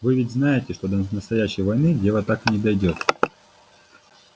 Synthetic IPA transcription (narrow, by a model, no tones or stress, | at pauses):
vɨvʲɪtʲznajɪtʲɪʂt̪o̞d̪ənəst̪ɐjæɕːɪjvɐjnɨdʲe̞vət̪aknʲɪd̪ɐjdʲo̞t̪